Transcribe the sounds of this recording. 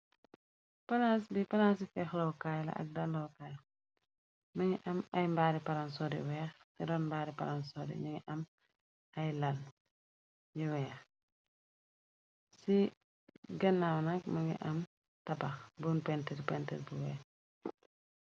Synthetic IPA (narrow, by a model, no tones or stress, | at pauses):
pɐlasbifɐlans̬ifɛxlowkajlɐ̰ʔɐ̰k̚dalːowkaːj | mɐŋiʔɐmɐjmbaːɾipɐɾansɔdiwɛːxsidɔːnmbaːɾipaɾansɔdḭɲiŋiʔɐm | ɐjlɐl | jiwɛːx | si | ɡɐnːawnɐkmɐŋḭʔɐm | tɐbɐxbunpɛntɛɾpɛntɛlbuwɛ̰ːx